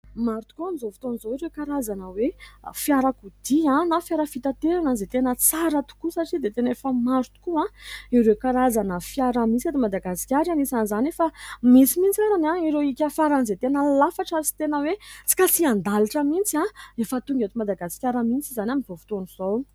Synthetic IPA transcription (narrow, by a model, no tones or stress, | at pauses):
maɾut̪u̥kuamizovu̥t̪onizoiɾekaɾazanəwefjaɾakud̪̥iãnafjaɾəfit̪at̪eɾanazet̪enət͡saɾət̪u̥kusaʈ͡ʂid̪et̪enefəmaɾt̪u̥kuãiɾewkaɾazanəfjaɾəmint͡siat̪imad̪aɡasi̥kʲaɾanisanzanefamisimint͡saɾanãiɾewikʲəfaɾanzet̪enəlafaʈ͡ʂaɾit͡si̥t̪enəwet͡si̥kʲat͡siand̪aliʈ͡ʂəmint͡siaefət̪uŋɡʲat̪imad̪aɡasi̥kʲaɾəmint͡sizanaminivovu̥t̪oniz̥ow